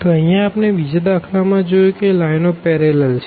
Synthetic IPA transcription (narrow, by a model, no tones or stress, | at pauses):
t̪oəɦijãːpneʋid͡ʒad̪akʰlamãd͡ʒojokelajnopɛɾelɛlt͡ʃʰe̥